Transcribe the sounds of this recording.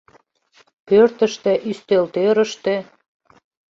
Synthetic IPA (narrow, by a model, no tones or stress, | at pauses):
pørt̪ə̆ʃt̪eʔyst̪elt̪øɾə̆ʃt̪e